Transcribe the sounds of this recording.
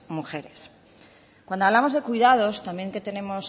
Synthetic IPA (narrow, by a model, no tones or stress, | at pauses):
muxe̞ɾes | kwand̪oaβlamo̞zðe̞kujðað̞o̞st̪amje̞ŋke̞t̪e̞ne̞mo̞s